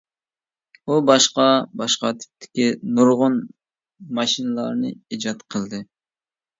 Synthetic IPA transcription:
ubɑʃqɑbɑʃqɑt̪ʰy̥p̚t̪ʰɪ̥kʲinuɾʁʊn | mɑʃinɨlˠɑɾnɨed͡ʒɑt̪qʰəlˠd̪ɨ

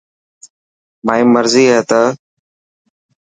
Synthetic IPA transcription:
maːĩːməɾziːɦɛːt̪əː

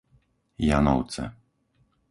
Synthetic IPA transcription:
janɔ̰wt̪sɛ̰

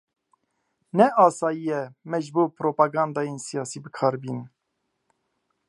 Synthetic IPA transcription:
nɛʔɑːsɑːjijɛmɛʒbuːpʰɾoːpaɡɑ̃ːnd̪ɑːjensijɑːsiːbəkʰɑːɾbiːn

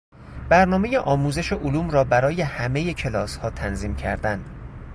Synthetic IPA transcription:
b̥æɾnɒːmejeʔɒːmuːze̞ʃeʔoluːmɾɒːbæɾɒːje̞hæme̞je̞cʰe̞lɒːshɒːt̪ʰænziːmcʰæ̰ɾd̪ænd̪

